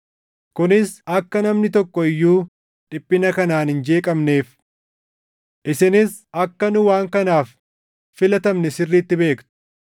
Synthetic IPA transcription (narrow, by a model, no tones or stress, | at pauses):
kʊnɪsɐkːɐnɐmnɪt̪ɔkːɔɪjːuː | ᶑɪpʼːɪnɐkɐnaːnhɪnd͡ʒe̞ːkʼɐmne̞ːf | ʔɪsɪnɪs | ɐkːɐnʊwaːŋkɐnaːfː | ɪlɐt̪ɐmnɛsɪrːiːt̪ːɪbe̞ːkt̪ʊ̥